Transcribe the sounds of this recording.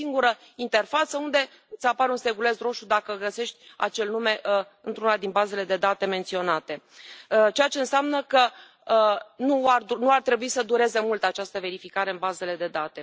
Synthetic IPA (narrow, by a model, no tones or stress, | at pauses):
iŋɡuɾə | int̪e̞rfat̪səund̪e̞ | ɨt̪sapaɾeunse̞ɡule̞sro̞ʃud̪akəɡəse̞ʃt̪ʲa̰t͡ʃe̞lnume̞ʔ | ɨnt̪ɾunad̪inbaze̞le̞d̪e̞d̪at̪e̞me̞nt̪sio̞nat̪e̞ | t͡ʃe̞jat͡ʃe̞ɨnseamnəkə | nuarunuart̪ɾe̞buisəd̪uɾe̞ze̞mult̪at͡ʃast̪əve̞ɾifikaɾe̞ɨnbaze̞le̞d̪e̞d̪at̪e̞